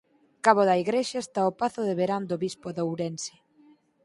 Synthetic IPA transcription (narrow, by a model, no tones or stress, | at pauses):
kaβoðɐiɣɾeʃaest̪aopaθʊðeβeɾand̪oβispoðowɾensɪ̥